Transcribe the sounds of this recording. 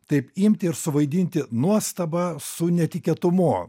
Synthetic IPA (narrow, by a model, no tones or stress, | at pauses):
t̪ɐɪpimʲt̪ʲɪɪɾsʊʋɐɪd̪ʲinʲt̪ʲɪnuɔst̪ɐbɐsʊnʲɛt̪ʲɪkʲiɛt̪ʊmuɔ